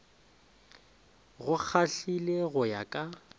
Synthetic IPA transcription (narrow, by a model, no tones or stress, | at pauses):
ɣʊk͡xʰaɬileɣʊja̰kʼa